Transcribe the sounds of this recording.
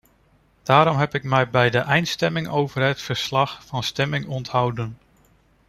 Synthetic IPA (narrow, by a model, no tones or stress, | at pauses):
d̥aːɾɔmɦɛpɪkmɛjbɛjdəʔɛjntstɛmɪŋʔowvəɹɦətfəɹslɑχfɑnstɛmɪŋɔntɦʌwdən